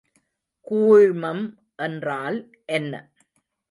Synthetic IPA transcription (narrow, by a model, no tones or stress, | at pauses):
kuːɻmɐm | ʔɛndraːl | ʔɛnːɐ̰